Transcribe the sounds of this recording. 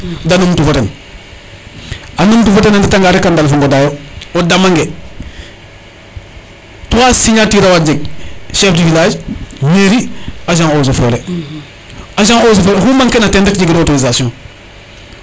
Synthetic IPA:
danumtufoten | anumtufotenenditaŋɡaɾekandalfoŋɡodajoodamaŋɡe | towasiɲatiɾawad͡ʒeɡ̚ʃefdifilaːd͡ʒmeɾiaʃ̬aŋosofoɾe | aʃ̬aŋows̬ofoːɾehumaŋkenatendekɟiɡdotonizasjõŋ

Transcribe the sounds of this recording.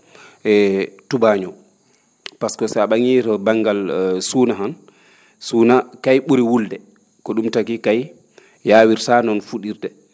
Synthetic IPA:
ʔɛtubaɲɔ | paskɔsɛaɓaŋiɾbaŋɡalsuːnaɦan | sunakajɓuɾiwuldɛ | kɔɗumtakikaj | jaːwiɾsanɔnfuɗiɾdɛ

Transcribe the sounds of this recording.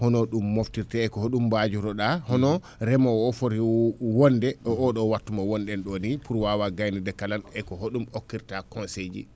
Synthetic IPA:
hɔnɔɗumːoftiɾtɛːkɔhoɗumbad͡ʒuɾɔɗahɔnɔ | ɾɛmawɔfoɾiwɔndɛɔɔɗɔwatːumawɔnɗɛnɗɔnipʰuɾwawaɡajnidɛkalanɛkɔɦoɗumokːiɾtakɔnsed͡ʒḭ

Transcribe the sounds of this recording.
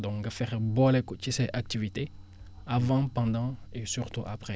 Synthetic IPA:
dɔ̃kŋɡɐfɛʁbɔlɛkɔt͡ʃisɛʔak̚t̪ivit̪e | avɑ̃pɑ̃nd̪ɑ̃esyʁt̪uʔapχɛ

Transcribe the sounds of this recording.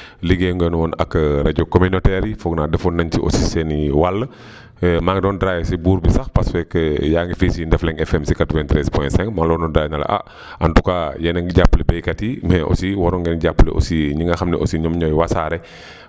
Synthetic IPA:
liɡeŋɡɛnwɔnɐ̰kːɾɐɟɔkominotɛɾifɔɡnaːdɛfɔnːɐntiʔo̰sisɛniwalːə | maɡdɔːndɾaːjsibuːɾbisɐxpasfɛkjaːŋɡifisindɛflɛŋɛfɛmsikatɔvɛntɾɛspɔjntsɛŋkmaŋlɔnɔndɾaːjnalɐ̰ʔa̰ | ɐntukajɛnɛŋɡɟapːlɛbɛjkɐtimɛʔo̰siwɔɾɔŋɡɛnɟapːlɛ̰ʔo̰siɲiŋɡaxɐmnɛʔo̰siɲɔmɲɔjwasaːɾɛ

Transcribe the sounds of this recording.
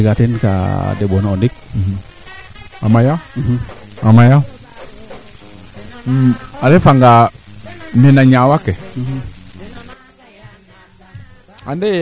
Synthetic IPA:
ikatinka̰deɓonondik̩̚ | amaja | amaja | aɾefaŋɡa | nenaɲawake | ande

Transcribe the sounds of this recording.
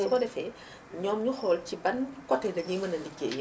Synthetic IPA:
ɛkɔdɛfɛ | ɲɔːmɲuxɔːlcibɐnkɔtːɛdɐɲimɐnɐndikːḛːj

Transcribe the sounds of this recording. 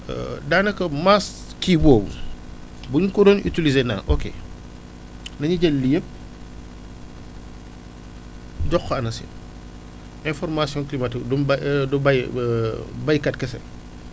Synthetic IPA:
daːnɐkɐmas | kibɔːbṵ | buɲukɔdɔny̰tilizeːna̰ːnʔokḛ | nɐɲuɟɐlːijəp̚ | ɟɔxɐɐnɐsḭ | ɛ̃nfɔrmasjɔ̃ŋklimatikdumdɔbaj | bɐjkɐt̚kɐsɛ̰

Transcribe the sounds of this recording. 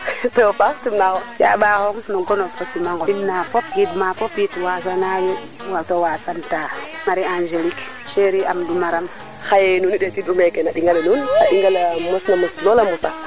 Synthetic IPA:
tɔɔpaxtimnaxɔnja̰ɓahɔŋnɔɡɔnɔfɔsimaŋɡɔimnapɔp̚jitmapɔpjitwasanaju | watowasantaŋaɾiand͡ʒelik | ʃeɾiamdumaɾam | xajɛnuniɗetiɗumɛkɛnaɗiŋɡalenunaɗiŋɡalamɔsnamɔslɔlamɔta

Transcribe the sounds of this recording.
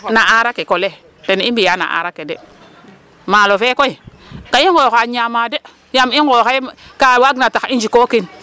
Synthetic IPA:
naʔaɾakekole | tenimbijana̰ʔa̰ɾakːedḛ | malofekoi | kaiŋɡokaɲamade | jamiŋɡokakawaɡnataind͡ʒikokin

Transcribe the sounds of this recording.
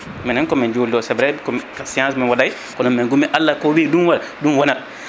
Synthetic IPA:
mɛnɛnkɔmɛnd͡ʒoːldɔsɛbɾɛkɔkasiãns̬mɛnwadaj | kɔnɔmɛnɡumiʔalːakɔwidunwaadunwɔnat

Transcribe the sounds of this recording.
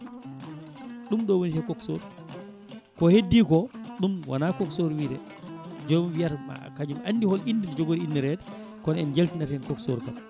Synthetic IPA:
ɗumɗɔwonitɛkɔksoɾ | kɔhedːikɔɗumwa̰nakɔksoɾwiɾɛ̰ | d͡ʒomwijaɾma̰kad͡ʒumʔandihɔlinːdidɛd͡ʒoɡoɾiinːɛɾɛdɛ | kɔnɛnd͡ʒeltinaɾɛnkɔkso̰ɾka̰l

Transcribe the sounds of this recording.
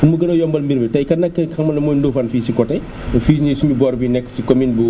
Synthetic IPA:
unmuɡɐnɐjɔmbɐlmbiɾbitɐjkɐnɐkːəkɐmːɐlɐmɔːjndofɐnfiːsikɔtɐj | fiːsɲisumubɔːɾbinɛkːsikɔminbu

